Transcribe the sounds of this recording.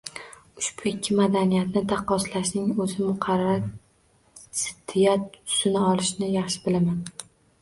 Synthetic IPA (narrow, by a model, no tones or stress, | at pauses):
ʊʃb̥ʊɪkʲʰːɪmad̪anijat̪nɪd̪ɑqːɒslaʃnɪŋɵzɪmʊqʰɑɾa | sɪ̥d̪ːɪjat̪ʊ̥sɪnɪɒlˠɪʃnɪjɑχʃɪ̥bɪlaman